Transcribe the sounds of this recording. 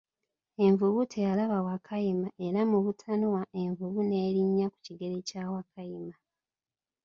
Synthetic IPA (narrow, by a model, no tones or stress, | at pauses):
e̞ɱvuβutʰejalaβawakʰajimaʔe̞ɾamuβutʰanowaʔe̞ɱvuβune̞ːɾiɲːaku̥ciɡe̞ɾecaːwakʰajima